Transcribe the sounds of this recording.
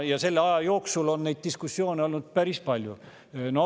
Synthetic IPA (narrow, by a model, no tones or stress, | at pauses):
jɑse̞lːeɑjɑjo̞ːksulo̞nːe̞jd̪̥̚t̪iskusːjo̞ːneo̞lnud̪̥̚pæɾispɑlʲju | no